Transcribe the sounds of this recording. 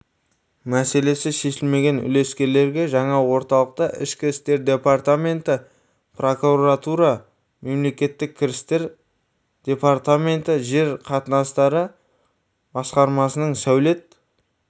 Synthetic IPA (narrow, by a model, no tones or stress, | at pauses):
mæse̞le̞sɪʃe̞ʃɪlme̞ɡʲe̞nʏ̰le̞skʲe̞ɾle̞ɾɡʲe̞ʒɑɴɑwo̞ɾt̪ɑlˠəq̚t̪əʔɪ̰ʃkʲɪɾɪst̪e̞ɾd̪e̞part̪amʲe̞nt̪ə | pro̞kuɾat̪uɾɑ | me̞mle̞kʲe̞t̪ːɪkʲʰːɪɾɪst̪e̞ɾ | d̪̥ʲe̞part̪amʲe̞nt̪əʒe̞ɾqʰɑt̪ənɑst̪ɑɾə | bɑsqɑɾmɑsənəɴsæwle̞t̪̚